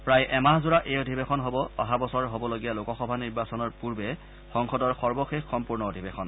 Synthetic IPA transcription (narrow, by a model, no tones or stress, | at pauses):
pɹajʔɛmaɦzʊɹaʔejodʱibexɔnɦobɔɔ̰ɦabɔsɔɹɦobɔloɡijalokɔxɔbʱaniɹbasɔnɔɹpuɹbɛ | xɔŋxɔdɔɹxɔɹbɔxexːɔmpuɹnɔodʱibexɔn